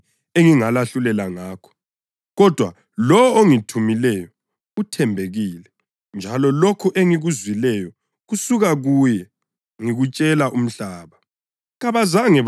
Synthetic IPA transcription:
eŋiŋalaɬulɛlaŋaːkʰɔ̥ | ɣɔd̥ʱwa̰ | lɔwoŋitʰumilɛjɔ | utʰɛmbʱeɣiːlɛ | nd͡ʒʱalɔlokʰuʔeŋiɣuzwilɛjɔ | ɣusuɣaɣuːjɛ | ŋiɣut͡ʃʼɛlaʔum̩ɬaːβa | ɣaβazaŋɛ

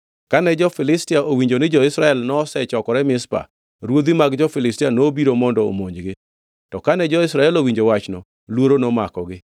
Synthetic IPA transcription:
kanɛd͡ʒɔfɪlɪstiaʔowiɲd͡ʒonɪd͡ʒɔɪsɾaɛlnɔsɛt͡ʃɔkɔɾɛmɪspa̰ | ɾwod̪imaɡd͡ʒɔfɪlɪstianobiɾomɔndɔo̰moɲd͡ʒɡɪ | tɔkanɛd͡ʒɔɪsɾaɛlowiɲd͡ʒowat͡ʃnɔ | lwoɾonomakɔɡɪ

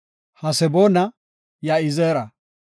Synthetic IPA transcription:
hɐsɛboːnɐ | jaɪzeːɾɐ

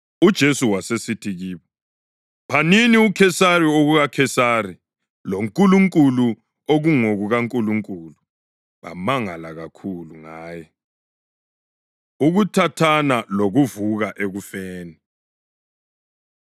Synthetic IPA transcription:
ud̥ʒ̥ʱesuwasesitʰiɣiːβɔ | pʰaniniukʰɛsarioɣuɣakʰɛsari | loŋkʼuluŋkʼulu | oɣuŋoɣuɣaŋkʼuluŋkʼulu | βa̰maŋalaɣakʰuluŋaːjɛ | uɣutʰatʰanaloɣuvuɣaʔeɣufeːni

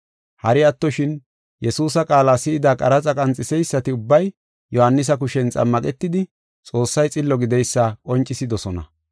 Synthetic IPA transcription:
hɐɾɪɐt̪ːɔʃɪn | jɛsuːs̬ɐkʼaːlaːsɪːd̪aːkʼɐɾɐt͡sʼɐkʼɐnt͡sʼːɪsɛjsːɐt̪ɪʊbːɐj | jʔɔhɐnːɪs̬ɐkʊʃɛnt͡sʼɐ̰mːɐkʼɛt̪ːɪd̪ɪ | t͡sʼo̞ːsːɐjt͡sʼɪlːɔɡɪd̪ɛjsːakʼɔnt͡ʃʼɪsɪd̪ɔsɔnɐ̰

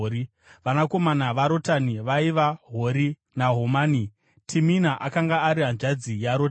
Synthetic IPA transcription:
ɾi | ʋanako̞manaʋaɾo̞taniʋaiʋaɦo̞ɾi | naɦomaːni | tʰiminaʔakaŋɡaːɾiɦanʐad͡zijaɾota

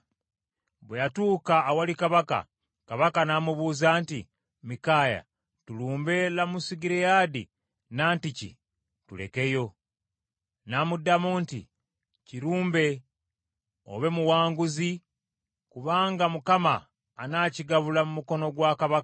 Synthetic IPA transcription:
βwejatuːkaːwalikaβaka̰ | kaβakanamuβuːzaːnti | mikaːja̰ | tuluːmbe̞lamusiɡiɾejaːdḭ | naːnticḭ | tule̞̰ke̞jo̞ | namudːamuːntḭ | ciɾuːmbe̞ | o̰βe̞muwaːŋɡuzi | kuβaːŋɡamukama̰ː | naːciɡaβulamumuko̞no̞ɡwaːkaβaka

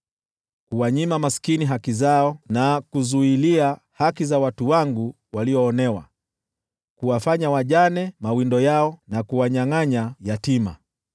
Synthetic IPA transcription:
kuwaɲimamaskiniɦakizaɔnakuzuilia | hakizawatuwaŋɡu | waliɔːnɛwa̰ | kuwafaɲawaʄanɛmawindɔjaɔnakuwaɲaŋaɲajatima̰

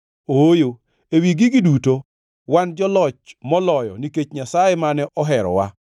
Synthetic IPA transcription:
ojo | ewiɡiɡiduto | wand͡ʒɔlɔt͡ʃmɔlɔjɔ̰niket͡ʃɲasajemanɛʔɔɦɛɾɔ̰wa̰

